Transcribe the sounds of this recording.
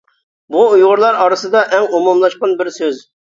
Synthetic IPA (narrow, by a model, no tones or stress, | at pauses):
buujʁʊɾlˠɑɾɑɾɨsɨd̪ɑʔɛŋumumlˠɑʃqɑnbɪɾsøz